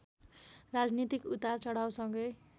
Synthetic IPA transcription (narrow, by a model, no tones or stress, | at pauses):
rad͡znit̪ikut̪at͡sʌɽ̤awsʌŋɡʌj